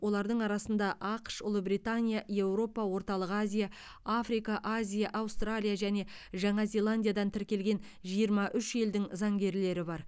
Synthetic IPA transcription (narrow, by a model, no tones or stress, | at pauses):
wo̞lˠɑɾd̪əɴɑɾɑsənd̪ɑʔɑqʃʊlˠəbɾijt̪anʲijaje̞wɾo̞pɑwo̞ɾt̪ɑlˠəqazʲija | afɾijkɑʔazʲijaʔɑwst̪ralʲijaʒæne̞ʒɑɴɑze̞lˠanʲd̪ʲijad̪ɑnt̪ʰɪɾkʲe̞lɡʲe̞n | ʒijəɾmɑʔʏʃe̞ld̪ɪŋzɑŋɡʲe̞ɾle̞ɾɪbɑɾ